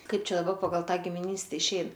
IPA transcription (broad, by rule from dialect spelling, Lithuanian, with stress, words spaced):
ˈkɐɪp ˈt͡ʃʲɛ dɐˈbɐ pɐˈɡɐlˠ ˈtɑː ɡʲɪmʲɪˈnʲiːsʲtʲɛ ɪʃʲˈɛɪn